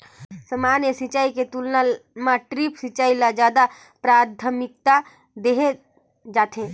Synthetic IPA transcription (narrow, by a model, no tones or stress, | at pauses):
səmaːnjəsit͡ʃaːiket̪ulnamãʈɾipsit͡ʃaːilad͡ʒjaːd̪a | pɾaːd̪ʱʰəmɪk̚t̪a | d̪eːɦe | d͡ʒaːt̪ɦẽ